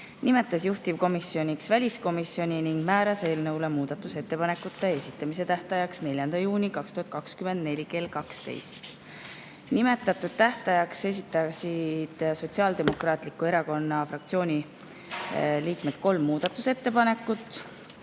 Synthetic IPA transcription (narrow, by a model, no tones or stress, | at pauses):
nime̞t̪ːˑɑsjuht̪ivko̞misːio̞nʲiksvælʲisko̞misjo̞nʲiniŋɡ̥mæːɾɑse̞ːlnɤwlemuːd̪̥ɑt̪ːˑuse̞t̪ːe̞pɑne̞kːut̪ːˑe̞esit̪ːˑɑmise̞t̪æht̪ɑjɑksne̞lʲjɑnd̪̥ɑjuːnʲikɑkst̪uhɑt̪̚kɑkskymend̪ne̞lʲike̞lkɑkst̪e̞̰jst̪ | nime̞t̪ːˑɑt̪ːˑud̪̥̚t̪æht̪ɑjɑkse̞sit̪ːˑɑsid̪̥so̞t̪siɑːld̪e̞mo̞krɑːt̪ˑlikːˑue̞ɾɑko̞nːɑfrɑkt̪sioːnʲi | liːkme̞d̪̥ko̞lmːuːd̪̥ɑt̪ːˑuse̞t̪ːe̞pɑne̞kːˑut̪ːˑ